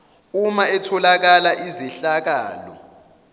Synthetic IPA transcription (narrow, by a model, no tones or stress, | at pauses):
umaɛtʰɔlak̬alaʔiziɬak̬a̰ːlɔ̰